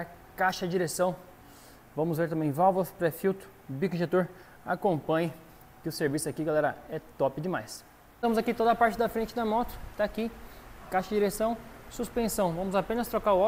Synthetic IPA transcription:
ɐ | kaʃɐd͡ʒiɾesɐ̃w̃ | vɐ̃mʊzveɾt̪ɐ̃mẽj̃vawvospɾefiwt̪ʊ̥ | bikʒet̪oɾ | a̰kõpɐ̃ɲɐ | kɪʊseɾvisʊakiɡalɛɾɐɛt̪ɔpɪd͡ʒɪmajs | t̪ɐ̃mʊzakit̪od̪ɐpaɾt͡ʃɪd̪ɐfɾẽnt͡ʃɪd̪ɐmɔt̪ʊ̥t̪aːkikaʃɐd͡ʒiɾesɐ̃w̃suspẽsɐ̃w̃vɐ̃mʊzapẽnɐst̪ɾokaɾʊɔ

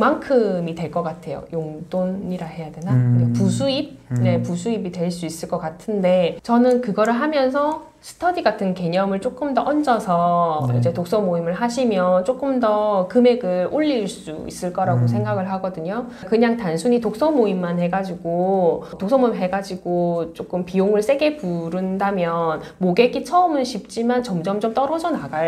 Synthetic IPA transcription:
maŋkʰɯmitwe̞ɭk͈ʌk͈atʰe̞jo̰joŋdoniɾahe̞jadwe̞naapusʰuib̚ne̞pusʰuibitwe̞ɭs͈uis͈ɯɭk͈ʌk͈atʰɯnde̞t͡ɕʌnɯnkɯɡʌɾɯɭɦamjʌnsʰʌ | sʰɯ̥tʰʌdiɡatʰɯnke̞ɲʌmɯɭt͡ɕ͈ok͈ɯmdʌʔʌnd͡ʑʌsʰʌḭd͡ʑe̞tok̚s͈ʌmoimɯɭɦaɕʰimjʌt͡ɕ͈ok͈ɯmdʌkɯme̞ɡɯɭoʎːiɭs͈ṵḭs͈ɯɭk͈ʌɾaɡosʰe̞ŋɡaɡɯɭɦaɡʌdɯɲo | kɯɲaŋtansʰuɲitok̚s͈ʌmoimːanhe̞ɡad͡ʑiɡotok̚s͈ʌmomiɦe̞ɡad͡ʑiɡot͡ɕ͈ok͈ɯmpijoŋɯɭs͈e̞ɡe̞puɾɯndamjʌnmoɡe̞k͈it͡ɕʰʌɯmɯnɕʰip̚t͡ɕ͈imant͡ɕʌmd͡ʑʌmd͡ʑʌmt͈ʌɾʌd͡ʑʌnaɡa

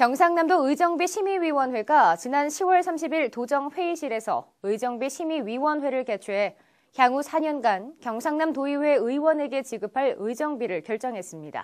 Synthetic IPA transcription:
kjʌŋsʰaŋnamdoɯid͡ʑʌŋbiɕʰimiɥiwʌnɸwe̞ɡat͡ɕinanɕʰiwʌɭsʰamɕʰibiɭtod͡ʑʌŋɸwe̞iɕʰiɾe̞sʰʌ̰ | ɯid͡ʑʌŋbiɕʰimiɥiwʌnɸwe̞ɾɯɭket͡ɕʰuɦe̞ | kjaŋusʰaɲʌnɡankjʌŋsʰaŋnamtoiwe̞ɯiwʌne̞ɡe̞t͡ɕiɡɯpʰaɭɯid͡ʑʌŋbiɾɯɭkjʌɭt͡ɕ͈ʌŋɦe̞s͈ɯmɲida̰

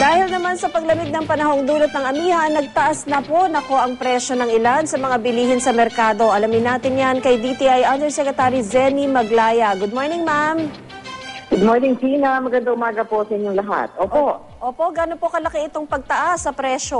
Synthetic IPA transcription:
d̪̥aːhɪlnɐmansɐpɐɡ̚lɐmɪɡ̪̚nɐŋpɐnɐho̞ŋd̪uːlɐt̪̚nɐŋɐmiːhɐnɐɡ̚t̪ɐʔasnɐpo̞nɐko̞ʔɐŋpɾɛʃo̞nɐŋɪlansɐmɐŋabɪliːhɪnsɐmɛɾkaːd̪o̞ʔɐlɐmɪnːaːt̪ɪnjankɐjd̪it̪iʔɐjʔand̪ɛsɛkɾɛt̪aːɾizɛnimɐɡlaːjɐɡʊd̪̚moɹnɪŋmam | ɡ̥ʊd̪̚moɹnɪŋsiːnɐmɐɡɐnd̪ɐʊmaːɡɐposɐʔɪɲoŋlɐɦa̰t̪̚ʔoːʔo | ʔoːpo̞ʔɡano̞po̞kɐlɐkɪɪt̪o̞ŋpɐɡ̚t̪ɐʔasːɐpɾɛʃo̞

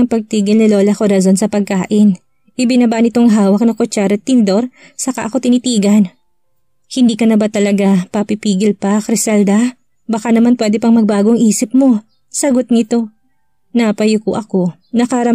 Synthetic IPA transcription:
ŋpɐɡ̚t̪iːɡɪlnɪlo̞ːlɐkoɾɐzo̞nsɐpɐɡ̚kaːʔɪn | ʔɪbɪnɐbaʔnɪt̪o̞ŋɦaːwɐk̚nɐkot͡ʃaɾɐt̪ːɪnd̪o̞ɾ | sɐkaʔɐko̞t̪ɪnit̪iːɡɐn | hɪnd̪iːkɐnɐbat̪ɐlɐɡapɐpɪpiːɡɪlpɐkɾɪsɐld̪ɐ | bɐkanɐmanpwɛːd̪ɛpɐŋmɐɡ̚baːɡoɐŋʔiːsɪp̚mo̞ | sɐɡo̞t̪̚nɪt̪o̞ | napɐjʊkoʔɐko̞ | nɐkɐɾɐ

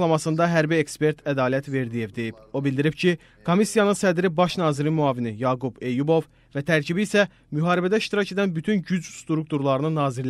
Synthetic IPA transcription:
lˠɑmɑsɯnd̪ɑɦæɾbiekspe̞ɾt̪ʰæd̪ɑːliæt̪ve̞ɾd̪ije̞vd̪e̞jibo̞bilʲd̪iɾibcʰi | kʰo̞misijɑnɯnsæd̪ɾibɑʃnɑːziɾinmyɑːvinijɑːɡube̞jubo̞v | væt̪ʰæɾcʰibiːsæ | myɦɑːɾibæd̪æiʃt̪iɾɑce̞d̪ænbyt̪ʰynɟyd͡ʒst̪ɾuk̚t̪uɾlˠɑɾɯnɯnɑːziɾ

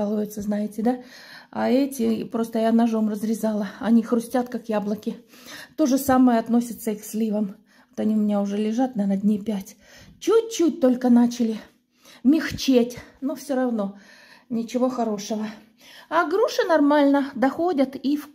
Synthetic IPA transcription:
lˠəvəjʊt̪səznajɪtʲɪd̪a | a̰ɛtʲɪpɾo̞st̪əjanɐʐo̞mrəzɾʲɪzɑlˠəɐnʲixɾʊsʲtʲat̪kakjablˠəkʲɪt̪o̞ʐɨsaməjəɐt̪no̞sʲɪt̪səiksʲlʲivəm | vot̪ɐnʲiʊmʲɪnʲaʊʐɛlʲɪʐat̪̚nɐnɐdʲnʲipʲætʲ | t͡ɕut̚ʲt͡ɕut̚ʲt̪o̞lʲkənat͡ɕɪlʲɪ | mʲɪxt͡ɕetʲnufsʲoɾɐvno̞ | nʲɪt͡ɕɪvo̞xɐɾo̞ʂəvə | aɡɾuʂɨnɐrmalʲnəd̪ɐxo̞dʲət̪if

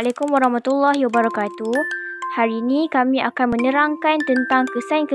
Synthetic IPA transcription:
lakumwaɾahmat̪ulːahijwabaɾakat̪uhaɾiinĩkamĩʔakanmə̃nə̃ɾaŋkant̪ənt̪aŋkəsankə

